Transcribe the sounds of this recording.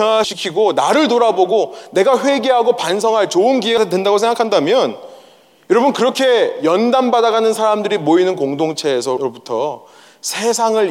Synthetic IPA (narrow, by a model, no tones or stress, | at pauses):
ʌŋaɕʰikʰiɡonaɾɯɭtoɾaboɡone̞ɡaɸwe̞ɡe̞ɦaɡopans̬ʰʌŋɦaɭt͡ɕoɯnɡieɡadwendaɡosʰe̞ŋɡakʰandamjʌn | jʌɾʌbɯnkɯɾʌkʰe̞jʌndambadaɡanɯnsʰaɾamdɯɾimoinɯnkoŋdoŋt͡ɕʰe̞ːsʰʌɾobutʰʌ | sʰe̞sʰaŋɯɭ